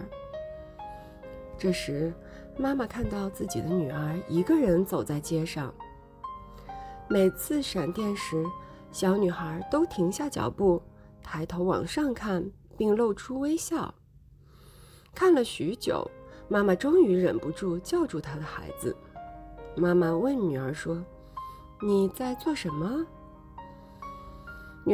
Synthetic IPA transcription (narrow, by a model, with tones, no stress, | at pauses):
ʈ͡ʂɤ˥˩ʂɻ̩˧˥ | ma˥ma˨kʰa˥˧nt̪ɑ˥˧ʊt͡sɹ̩˥˩t͡ɕḭ˨˩d̪ə˦ny˨˩ə˞˧˥i˧˥ɡə˧ɻə˧˥nt͡so˨˩ʊt͡sa˥˩ɪt͡ɕjɛ˥ʂɑ˥˩ŋ | me˨˩ɪt͡sʰɹ̩˥˩ʂa˨˩nt̪jɛ˥˩nʂɻ̩˧˥ | ɕjɑ˧˥ʊny˨˩xə˧˥t̪o˥ʊt̪ʰi˧˥ŋɕja˥˩t͡ɕjɑ̰˨˩ʊpu˥˩ | t̪ʰa˧˥ɪt̪ʰo˧˥ʊwɑ̰˨˩ŋʂɑ˥˧ŋkʰa˥˩n | pi˥˧ŋlo˥˩ʊʈ͡ʂʰu˥we˥ɪɕjɑ˥˩ʊ | kʰa˥˩nlə˩ɕy˧˥t͡ɕjo̰˨˩ʊma˥ma˨ʈ͡ʂʊ˥ŋy˧˥ɻə̰˨˩npu˧˥ʈ͡ʂu˥˧t͡ɕjɑ˥˧ʊʈ͡ʂu˥˩t̪ʰa˥d̪ə˨xa̰˧˥ɪd͡zɹ̩̰˧ | ma˥ma˨wə˥˩nny˨˩ə˞˧˥ʂwɔ˥ | ni˨˩t͡sa˥˧ɪt͡swɔ˥˩ʂə˧˥nmə˧ | n˨˩